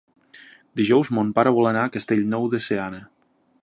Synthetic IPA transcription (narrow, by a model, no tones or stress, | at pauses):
d̪iʒɔwzmompaɾəβɔlənakəst̪eʎnɔwðeseanə